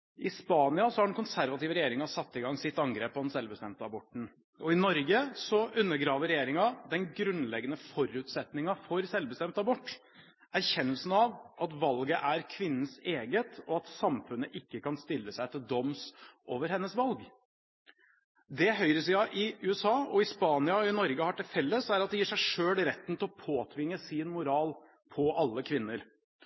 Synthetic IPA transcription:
ɪspɑːnɪɑsɔhɑɖɛnkʊnsæɾʋɑt̪ɪːʋəɾɛjeːɾɪŋɑsɑt̪ːɪɡɑŋsɪt̪ːɑŋɡɾeːpːɔd̪ɛnsɛlʋbəst̪ɛmt̪əɑbɔʈːn̩ | ɔɪnɔɾɡəsɔʔʉnːəɾɡɾɑːʋəɾɛjeːɾɪŋɑd̪ɛnɡɾʉnlɛɡːənəfɔɾʉːt̪sɛt̪nɪŋɑfɔɾsɛlbəst̪ɛmt̪ɑbɔʈː | æɾçɛnːəlsn̩ɑʋʔɑt̪ʋɑlɡəʔæɾkʰʋɪnːn̩seːɡət̪ɔɑt̪sɑmfʉnːəʔɪkːəkɑnst̪ɪlːəsæɪt̪ʰɪld̪ɔmsʔoːʋəɾhɛnːəsʋɑlɡ | d̪ɛɦœʏɾəsɪɑʔɪʉːɛsɑːɔɪspɑːnɪɑɔɪnɔɾɡəhɑʈɪlfɛlːəsæɾɑt̪̚d̪ɛjiːʂæɪʂøːlɾɛt̪ːən̩t̪ʰɪlɔpʰoːt̪ʰʋɪŋːəsɪnmʊɾɑːl | pʰɔʔɑlːəkʰʋɪnːəɾ

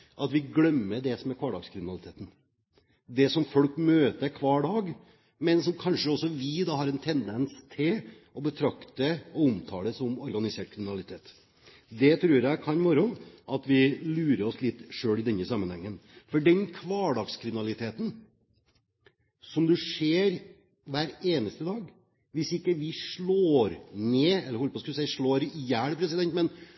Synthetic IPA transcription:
ʔɑt̪ʋɪɡlœmːəd̪ɛsɔmɛɾkʰʋɑːɖɑɡskʰɾɪmɪnɑlɪt̪ʰeːt̪n̩ | d̪ɛsɔmfɔlkmøːt̪əɾkʰʋɑːɖɑːɡ | mɛnsɔmkʰɑnʂəɔsːɔʋɪd̪ɑːhɑɾɛnt̪ʰɛnd̪ɛnst̪ʰɪl | ɔbət̪ʰɾɑkt̪əɔʊmt̪ʰɑːləsɔmɔɾɡɑnɪseːʈ̚kʰɾɪmɪnɑlɪt̪ʰeːt̪ | d̪ɛt̪ʰɾʉːɾjæɪkʰɑnmɔɾɔnʔɑt̪ʋɪlʉːɾəɔslɪt̪ːʂøːlɪd̪ɛnːəsɑmːənhɛŋːənfɔɖɛnkʰʋɑːɖɑkskʰɾɪmɪnɑlɪt̪ʰeːt̪ən̩ | sɔmd̪ʉʂeːɾ | ʋæːɾeːnəst̪əd̪ɑːɡ | ʋɪsɪkːəʋɪʂɭoːɾneːɛlːəɾhɔlpɔskld̪sæɪʂɭoːɾjæːɽəpʰɾɛsɪd̪ɛnt̪mɛn

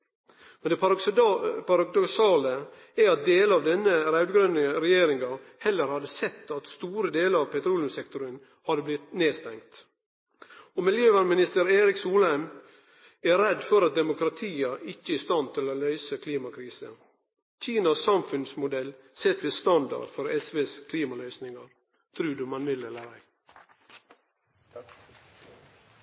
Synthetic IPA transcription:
mɛnd̪ɛ | pɑɾɑd̪ɔksɑːlə | æɾɑt̪̚d̪eːləɑʋd̪ɛnəɾɑʉd̪ɡɾœnəɾɛjeːɾɪŋɑhɛlːəɾhɑd̪əsɛt̪ːɑt̪st̪uːɾəd̪eːləɾɑʋpʰɛt̪ʰɾuːlʊmsɛkt̪ʊɾən | hɑd̪əblɪt̪neːst̪ɛŋkt̪ | ɔmɪljøːʋæɾmɪnɪst̪əɾeːɾɪksuːlæɪm | æɾɛd̪fɔɾɑt̪̚d̪ɛmʊkɾɑt̪ʰiːɑʔɪçːəɪːst̪ɑnt̪ʰɪlolœʏsəkʰliːmɑkʰɾiːsə̰ | c͡çiːnɑsɑmfʉnsmʊd̪ɛlsɛt̪ːʋest̪ɑnd̪ɑ̰ɖ̥fɔɾɛsʋeːskʰliːmɑlœʏsnɪŋɑɾ | t̪ʰɾʉːd̪ʉmɑnʋɪlɛləɾæɪ

